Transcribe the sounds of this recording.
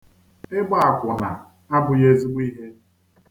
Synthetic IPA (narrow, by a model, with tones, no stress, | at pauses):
ɪ˦ɡ͡ba˦a˨kʷʊ˨na̰˨ | a˦bʊ˨je˦zi˦ɡ͡bi˦ɦe˦